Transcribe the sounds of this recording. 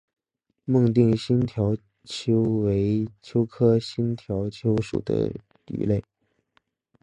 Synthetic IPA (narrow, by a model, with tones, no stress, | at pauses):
mɤ˥˧ŋt̪̬i˥˩ŋɕi˥nt̪ʰjɑ˧˥ʊ | t͡ɕʰjo˥ʊwe˧˥ɪt͡ɕʰjo˥ʊkʰɤ˥ɕi˥nt̪ʰjɑ˧˥ʊt͡ɕʰjo˥ʊʂṵ˨˩d̪ə̰˦ | t̪y̰˧˥le˥˩ɪ